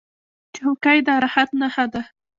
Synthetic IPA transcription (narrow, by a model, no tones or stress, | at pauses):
t͡ʃɪhʊkajd̪aɾahat̪nahad̪a